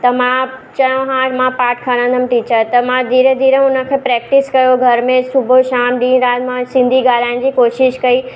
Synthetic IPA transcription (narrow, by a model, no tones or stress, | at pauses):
t̪ɐmãt͡ɕɐjõɦãmãpaːʈkʰaɽ̃ə̃n̆d̪əm̆ʈiːt͡ɕəɾt̪ɐmãd̪iːɾəd̪iːɾəʊnə̆kʰeːpɾɛːk̚ʈɪskɐjoɡʱɐɾmẽsʊbʱoʃaːmɗ̪ĩːɾaːt̪mãsɪ̃nd̪ʱiɡaːl̤aːɪɽ̃̆d͡ʑiːkoːʃɪʃkɐi